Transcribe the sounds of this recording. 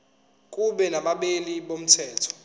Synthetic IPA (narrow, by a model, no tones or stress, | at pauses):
k̬ʼuɓɛnaɓaɓeliɓom̩tʰɛːtʰɔ̥